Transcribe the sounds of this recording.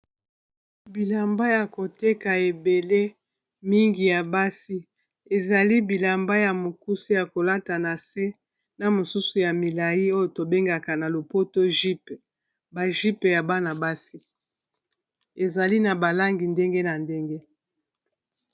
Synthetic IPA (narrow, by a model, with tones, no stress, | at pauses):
bi˨la˨mba˦ja˨ko˨te˦ka˨e˨be˨le˦ | mi˦ŋɡi˨ja˨ba˦si˦ | e˨za˨li˦bi˨la˨mba˦ja˨mo˨ku˦si˦ja˨ko˨la˦ta˨na˨se˦ | na˨mo˨su˦su˨ja˨mi˨la˨ji˦o˦jo˨to˨be˦ŋɡa˨ka˨na˨lo˨po˦to˦ʒi˦pe˨ | ba˨ʒi˦pe˨ja˨ba˦na˨ba˦si˦ | e˨za˨li˦na˨ba˨la˦ŋɡi˨nde˦ŋɡe˦na˨nde˦ŋɡe˦